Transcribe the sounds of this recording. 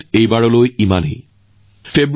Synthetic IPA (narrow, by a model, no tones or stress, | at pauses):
ejbaɽolojimanḛj | febɾ